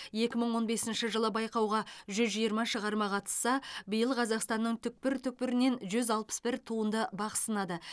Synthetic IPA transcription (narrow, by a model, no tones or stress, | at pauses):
je̞kʲɪməɴwo̞nbe̞sɪnʃəʒəlˠəbɑjqɑwʁɑʒʏzʒijəɾmɑʃəʁɑɾmɑqʰɑt̪ə̥sːɑbəjəlˠqʰɑzɑqst̪ɑnːəɴt̪ʰʏk̚pɪɾt̪ʰʏk̚pɪɾɪne̞nʒʏzɑlˠpə̥sbɪɾt̪ʰuənd̪əbɑqə̥sənɑd̪ə